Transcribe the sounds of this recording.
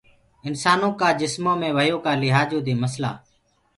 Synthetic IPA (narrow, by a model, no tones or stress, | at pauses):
ɪnsaːnõːkaːd͡ʒɪsmõːmẽːʋəjoːkaːlɪɦaːd͡ʒõːd̪iːməsla̰ː